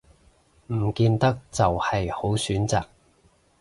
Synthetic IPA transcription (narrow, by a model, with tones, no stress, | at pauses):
m̩˨˩kiː˧nt̪ɐ˥k̚t͡sɐ˨whɐ˨jho˨˥wsyː˨˥nt͡saː˨k̚